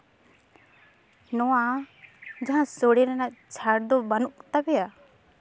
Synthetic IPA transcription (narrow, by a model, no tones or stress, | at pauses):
nɔwa | d͡ʒaɦãsoɽiɾɛnaʔt͡ʃʰaɽd̪ɔbanukt̪abɛja